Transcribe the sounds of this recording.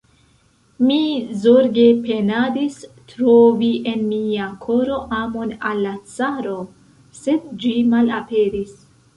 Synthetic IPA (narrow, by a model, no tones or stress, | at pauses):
mizoɾɡe̞pe̞nadistɾoviʔe̞nmiakʰo̞ɾo̞ʔamo̞nalːat͡saɾo̞ | se̞dd͡ʒimalape̞ɾis